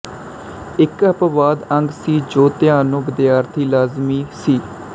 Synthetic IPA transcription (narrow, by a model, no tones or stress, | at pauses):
ɪkəpʋaːd̪ə̃ŋɡsiːd͡ʒoːt̪ɪjaːnõːbɪd̪jaːɾt̪ʰiːlaːzmiːsiː